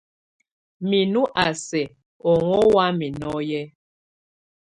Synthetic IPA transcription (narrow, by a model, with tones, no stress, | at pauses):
mi˨nu˦ʔa˨sɛ˨ | ɔ˨ŋɔ˦wa˦mi˨nɔ˦jɛ˦